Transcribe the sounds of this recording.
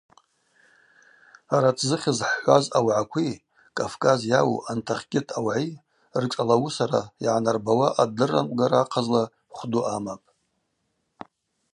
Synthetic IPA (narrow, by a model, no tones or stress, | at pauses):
aɾatʰzɨχʲɪzħħʷazawʕakʷʰi | kʼavkʼazjawṵʔantʰaχʲkʲʼɪtʰʼawʕi | rʈ͡ʂʼalawusaɾajʕanarbawaʔadɨrːa̰mɡaɾaqʰazla | χʷduʔamapʼ